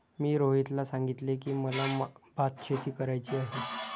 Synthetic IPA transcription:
miːɾoɦit̪lasaŋɡit̪lekiːməlabat̪̚t͡ɕʰet̪iːkəɾajt͡ɕiːaɦe

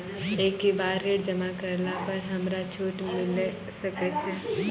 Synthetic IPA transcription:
ekibaɾeɽd͡ʒəmakəɾlapəɾɦəmɾat͡ʃʰuʈmil | səkɛt͡ʃʰɛ

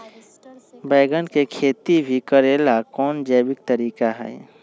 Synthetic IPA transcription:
bəɪɡənkekʰeːt̪ibʱikəɾeːlakɔːnd͡ʒəjbɪk̚t̪əɾiːkaɦɛ̰ː

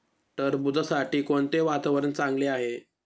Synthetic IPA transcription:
ʈəɾbud͡z̪ʱasaʈiːkoɳt̪eʋat̪aʋəɾənt͡sãŋɡleaɦe

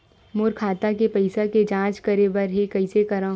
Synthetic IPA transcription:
mʊɾkʰaːt̪akepɐɪsaked͡ʒãːt͡ʃkɐɾebɐɾɦekɐɪsekɐɾã

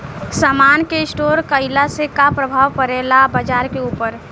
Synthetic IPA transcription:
samankeɪsʈoɾkəɪlasekapɾəbʱaʋpəɾelabəd͡ʒaɾkeupəɾ

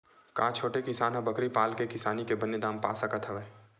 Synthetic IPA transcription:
kãːt͡ʃʰoːʈekɪsaːnɦɐ̃bɐkɾipaːlkekɪsaːnikebɐnjed̪ãːmpa̰ːsakət̪ʰɐʋeː

